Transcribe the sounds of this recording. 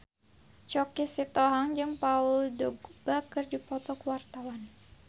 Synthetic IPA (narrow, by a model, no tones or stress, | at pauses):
t͡ʃɔkisit̪ɔɦaŋd͡ʒɨŋpaʊldɔɡbakɨrdipɔt̪ɔkəwart̪awan